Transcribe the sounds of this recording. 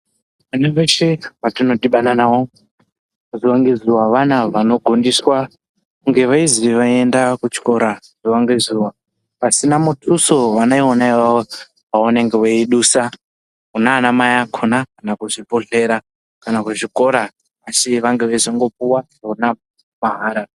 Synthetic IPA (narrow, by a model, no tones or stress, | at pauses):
ʋaneʋeʃeʋatino̞tiɓananawo | ziwaŋɡezuwaʋanaʋano̞ɡʱondiswa | kuŋɡe̞ʋaiziʋaiendakut͡ʃi̥ko̞ɾa | z̥iwaŋɡezuwa | pasinamutʰusoʋanaionaiʋao | auneŋɡeweiɗusa | unaːnamajakʰonakanakuʐipoɬe̞ɾa | kanakuʐiko̞ɾa | ʋasiʋaŋɡeʋaizaŋɡo̞p̚uwa | ouna | maɦaːɾa